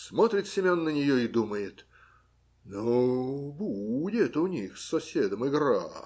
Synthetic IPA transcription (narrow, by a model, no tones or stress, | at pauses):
smot̪ɾʲɪt̪sʲɪmʲonːənʲɪjoɪd̪uməjɪt̪ | nobudʲɛt̪əʊnʲixsɐsʲed̪əmɨɡɾa̰